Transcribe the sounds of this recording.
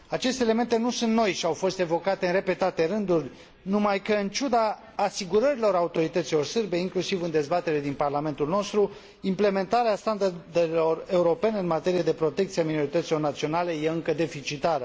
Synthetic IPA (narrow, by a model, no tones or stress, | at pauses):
at͡ʃe̞st̪ele̞me̞nt̪e̞nusunt̪no̞jʃiawfo̞st̪e̞vo̞kat̪e̞ɨnre̞pe̞t̪at̪e̞ɾɨnd̪urʲ | numajkəɨnt͡ʃud̪aː | siɡuɾəɾilo̞ɾaut̪o̞ɾit̪ət̪silo̞rsɨrbe̞iŋklusivɨnd̪e̞zbat̪e̞ɾe̞d̪inparlame̞nt̪ulno̞st̪ɾu | imple̞me̞nt̪aɾeast̪and̪ard̪e̞lo̞re̞uɾo̞pe̞ne̞ɨnmat̪e̞ɾijed̪e̞pɾo̞t̪e̞k̚t̪sieamino̞ɾit̪ət̪silo̞rnat̪sio̞nale̞jeɨŋkəd̪e̞fit͡ʃit̪aɾə